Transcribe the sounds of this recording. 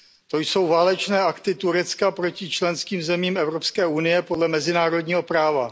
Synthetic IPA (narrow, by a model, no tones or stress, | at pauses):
t̪o̞jso̞wvaːlɛt͡ʃnɛːakt̪ɪt̪uɾɛt͡skapɾo̞cɪt͡ʃlɛnskiːmzɛmiːmɛvɾo̞pskɛːunɪjɛpodlɛmɛzɪnaːɾo̞dɲiːɦo̞pɾaːva